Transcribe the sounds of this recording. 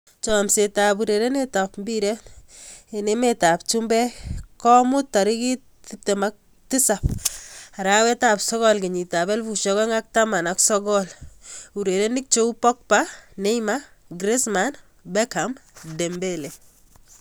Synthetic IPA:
t͡ʃɔ˨mse˨ta˨buɾe˨ɾe˦ne˦tapmbiɾe˦ | ene˦metap̚t͡ʃumbɛ˦kɔ˦mʊ˦tːa˨ɾi˦ki˦ | tip̚te˨mak̚ | ti˦sap̚a˨ɾawɛ˦tapsɔ˦ɣɔ˦lki˨ɲi˨ta˨bɛ˦lfuʃɔ˦ɣɔ˦ŋa˦k̚tama˨naksɔ˦ɡɔlu˨ɾe˨ɾe˦ni˦k̚t͡ʃo˦u˦pɔ˦k̚pa˦ne˦jmaɡɾe˦sman | bɛ˦kamde˨mbe˦le˨

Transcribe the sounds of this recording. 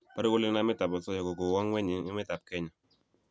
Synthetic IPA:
pa˦ɾkʊ˦lɪ˦na˦mɪ˦ta˨pɔ˨sɔ˦ja˨ko˨ko˨wɔ˦ŋwɛ˦ɲɪ˨˦ŋɪ˦mɪ˦ta˨p̚kɛ˦ɲɔ˨

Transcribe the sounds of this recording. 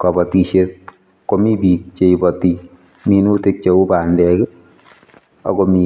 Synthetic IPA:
kɔ˨bɔ˨ti˧ʃe˦t̚ | ko˨mi˦bi˨k̚t͡ʃe˨ibɔ˨ti˧ | mi˧nu˦te˦k̚t͡ʃe˨u˦ba˨ndɛkɛ˦ | a̰˨komi˨

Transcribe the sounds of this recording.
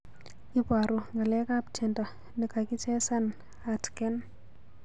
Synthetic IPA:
i˦pa˨ɾu˨ŋɡa˨lɛ˦ka˦pt͡ʃʰe˨ndɔ˨ | ni˨ka˨ki˦t͡ʃɛ˦sa˦n | a˨tkɛ˦n

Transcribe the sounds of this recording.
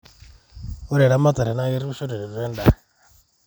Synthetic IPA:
o˦ɾɛ˨ɾa˦ma˦t̪a˨ɾɛ˨na˦je˦ɾi˦βu˦ʃo˦ɾɛ˨ɾɛ˨ɾu˨ɾɛ˦nda˦˨

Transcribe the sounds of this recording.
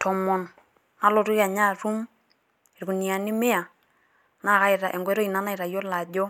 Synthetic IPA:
tʰɔ˨mɔ˨nː | a˦lo˨tu˦ja˨ɲa˦˨ɾu˦m˨ | ɾku˨ni˨a˨ni˦me˦a˨ | na˦˨ka˦ɪ˨ɾa˨ʔɛ˨ŋɡɛ˦ɾɔ˦i˨na˦na˦i˨ɾa˨jɔ˦la˨ɟɔ˦

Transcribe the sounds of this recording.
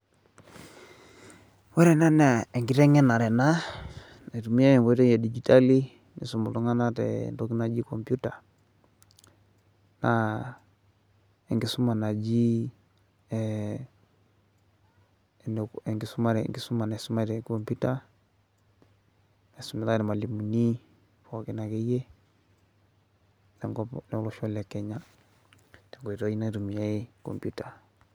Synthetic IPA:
wɛ˦ɾɛ˨na˦na˨ɛ˨ŋɡi˦ɾɛ˦ŋɛ˦na˨ɾɛ˨na˦ | na˨tu˨mi˦ja˦ɛ˨ŋwɛ˦tɛ˦ja˨di˨d͡ʒi˨ta˦li˦ | nḭ˨su˨mu˨lu˦ŋa˦na˦tɛ̰˨ntɔ˦ki˦na˦d͡ʒi˦kɔ˨mpu˦ta˨ | na˨ | ɛ˨ŋɡi˨˦su˦ma˨na˨d͡ʒi˦˨ | nɛ˨ŋɡi˨su˦ma˦ɾɛ̰˨ŋɡi˨su˦ma˨na˨su˦ma˦ɾɛ˨kɔmpu˦ta˦ | ɛ˨su˨mɛ˨ta˦ɾɛ˨ma˨li˨mu˨ni˦ | fɔ˨ki˦na˨kɛ˦jɛ˦ | lɛ˨ŋɡɔlɛ˨˦lɔ˦ʃɔ˦lɛ˨kːɛ˨ɲa˦ | dɛ˨ŋɡɔ˨i˨ɾɔ˦i˦na˦ɾu˨mi˨ja˦i˦kɔ̰˨mpu˦ta˨

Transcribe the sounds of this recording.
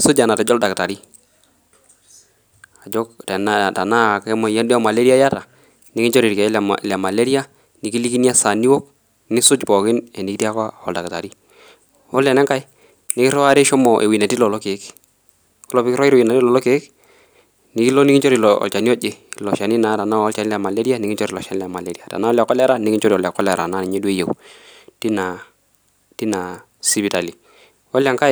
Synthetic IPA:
sʊ˦d͡ʒa˨na˨tɛ˨˦d͡ʒɔ˦lda˨kta˨ɾi˦ | a˨d͡ʒɔ˦k̚tɛ˨na˦˨ta˨na˦˨kɛ˦mɔ˨ja˦ndɔ˦ma˨le˦ɾi˦a˦ja˦ta˨ | nɪ˦kɪ˦t͡ʃɔ˦ɾi˨ɾkɛ̰˨˦˨la˨ma˨le˦ɾi˦a˦ | nɪ˨ki˦li˦ki˦ni˦a˦sa˨ni˦wɔ˦k̚ | nɪ˦sʊ˦t͡ʃpɔ˨kɪ˦nɛ˨ni˨ki˦ti˦a˦ka˦ɔ̰˨lda˨kta̰˨ɾi˦ | ɔ˦lɛ˨nɛ˦ŋka˦j | nɪ˦kɪ˦ɾɔ˦a˦ɾe˦ʃɔ˦mɔ˨ʔe˨wi˨na˨ti˦lɔ˨lɔ˦ke˨˦k | kɔ˦lɔ˦pɪ˦kɪ˦ɾɔ˦ɪ˦˨wi˨na˨ti˦lɔ˨lɔ˦ke˨˦k | nɪ˦ki˦lɔ˦nɪ˦ŋɪ˦t͡ʃɔ˦ɾi˨lɔɔ̰˨lt͡ʃa˨ni˦ɔ˦d͡ʒe˦˨lɔ˨ʃa˨ni˦na˨˦ta˨na˦ɔ˦lt͡ʃa˨ni˦lɛ˨ma˨le˦ɾi˦a˦nɪ˦kɪ˦t͡ʃɔ˦ɾi˨lɔ˨ʃa˨nɪ˦lɛ˨ma˨le˨˦ɾi˦a˨ta̰˨na˦ɔ˦lja˨kːɔ˦la˦ɾa˦nɪ˦kɪ˦ɲt͡ʃɔ˦ɾi˨ɔ˨lja˨kːɔ˦la˨ɾa̰˨na˦˨ni˨ɲɛ˦du˦e˦jḛ˨wti˦na˨ | ti˦na˨ | si˦bi˨ta˨li˨ | wɔ˦la˨ŋka˦

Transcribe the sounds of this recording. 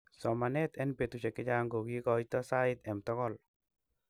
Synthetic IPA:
sɔ˨ma˨nɛt̪ɛ˦npe˨t̪u˨t͡ʃɛ˨kɪ˦d͡ʒa˦ŋɡo˨ɡi˦kɔ˨jt̪ɔ˦sa˦ɪt̪ɛ˨mt̪ɔ˦kɔl

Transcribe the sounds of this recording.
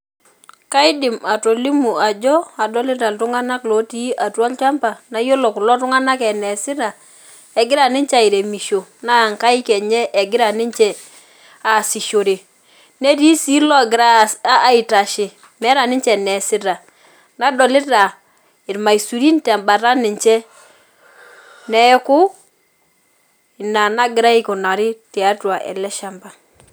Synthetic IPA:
ka˦i˦dɪ˨ma˨to˨li˦mu˨a˨d͡ʒɔ˦a˨dɔ˦li˦ta˨ltu˦ŋa˦na˦klo˨˦ti˦ʔa˨twa˦lt͡ʃa˦mpa˨na˨˦jo˦lo˨ku˨lɔ˦tu˦ŋa˦na˦kɛ˨nɛ˨si˦ɾa˨ | ɛ˨ɡɪ˦ɾa˨ni˦nt͡ʃa˨i˨ɾe˨mi˨ʃo˨na˦a˨ŋka˦i˦kɛ˨ɲɛ˦ʔːɡɪ˦ɾa˨ni˦ɲt͡ʃɛ˨ | a˨si˨ʃo˨ɾe˨ | ne˦ɾi˦si˦lɔ˦˨ɡɪ˨ɾa˦a˦i˨ta˨ʃɪ˨ | mɛ˨˦ɾa˨nɪ˦ɲt͡ʃɛ˨nɛ˨sɪ˦ɾa˨ | na˦dɔ˨lɪ˦ɾa˨ | ɪ˨ɾma˨i˨su˨ɾi˦n˦tɛ˨mba˨ɾa˦nɪ˨ɲt͡ʃɛ˦ | nɛ˨ɛ˦kʊ˦˨ | na˨na˦ɡɪ˨ɾa˦i˦ku˨na˨ɾɪ˦ti˨a˦twa˨ʔɛ̰˨lɛ˦ʃa˦mba˨

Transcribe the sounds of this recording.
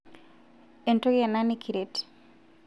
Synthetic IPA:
e˨nto˦ɡɛ˨na˦nikʰi˨ɾet

